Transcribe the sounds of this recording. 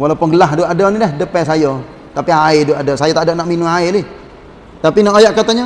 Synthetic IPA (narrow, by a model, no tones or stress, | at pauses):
walaupʊnɡəlaɦduʔadɔnidɛhdəpɛsajɔ | t̪apiaɪduadɔsajɔt̪aʔdaʔnaʔminʊŋaɪlɪh | t̪apinaʔojaʔkat̪aɲa